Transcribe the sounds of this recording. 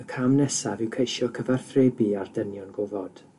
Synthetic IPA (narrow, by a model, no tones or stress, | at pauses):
əkʰamnɛsavɪwkʰejʃjɔkʰəvar̥θreːbiardənjɔnɡʊvɔd̥